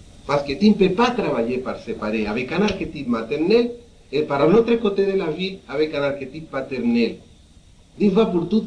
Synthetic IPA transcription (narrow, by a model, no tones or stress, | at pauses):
pasket̪impepat̪ɾaβaʎepaɾsepaɾeaβekanaɾket̪it̪̚mat̪eɾnel | epaɾalnot̪ɾekot̪eðelaβilaβekanaɾket̪it̪̚pat̪eɾnel | d̪ifapuɾt̪ut̪